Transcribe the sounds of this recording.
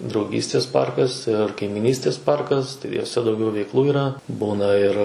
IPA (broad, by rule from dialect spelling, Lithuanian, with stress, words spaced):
drɐʊˈɡʲiːsʲtʲeːs ˈpɐrkɐs ɪr kɐɪmʲɪˈnʲiːsʲtʲeːs ˈpɐrkɐs tɐɪ juɔˈsʲɛ dɐʊˈɡʲɛʊ ʋʲɛɪkˈlˠuː iːˈrɐ ˈbuːnɐ ˈɪr